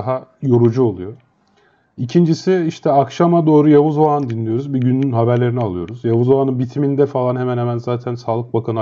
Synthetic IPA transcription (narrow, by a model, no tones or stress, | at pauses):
ɦajo̞ɾud͡ʒuo̞lˠujo̞ | icʰind͡ʒisiiʃt̪ʰɛakʃamad̪o̞ːɾujavuzoand̪inlʲijo̞ɾuzbiɟynːynɦabæɾlʲe̞ɾinialˠɯjo̞ɾuzjavuzoanɯnbit̪ʰimind̪ɛfalˠanɦemɛnhemænzaːt̪ʰænsaːlˠɯk̚bakʰan